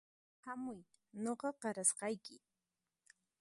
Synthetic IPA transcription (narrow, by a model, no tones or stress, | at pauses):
hamʊj | noqɑqɑɾasqɑjkɪ